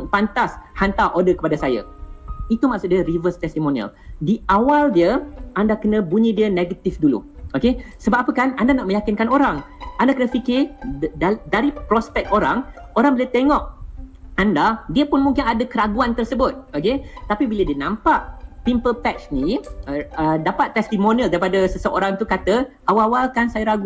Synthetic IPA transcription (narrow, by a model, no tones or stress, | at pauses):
pant̪ashant̪aʔodəkə̥padasaja̰ | it̪umaʔksʊt̪̚djəɾivəst̪ɛst̪imonia̰ldiʔawaldiəʔandakənə̃buɲĩdiəneɡət̪ifdulṵʔokesəbap̚apəkanandanaʔmə̃jakɪnkanoɾaŋʔandakənəfikɪ | daɾipɾɔspɛk̚t̪oɾaŋ | oɾaŋbiliət̪eŋɔʔ | andadiəpʊnmũŋkɪnadəkəɾaɡuant̪ərsəbʊt̪̚oket̪apibilədiənãmpaʔpimpəlpɛt͡ʃni | ədapat̪ːɛst̪imonialdaɾipadəsəsəʔoɾaŋt̪ukat̪əʔawawalkansajəɾaɡu